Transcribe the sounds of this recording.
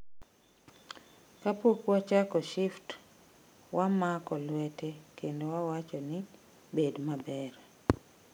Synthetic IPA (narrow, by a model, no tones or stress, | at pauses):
kapokwat͡ʃakɔʃɪft | wʔamakɔlwɛtekendowawat͡ʃɔnɪ | bedmabɛɾ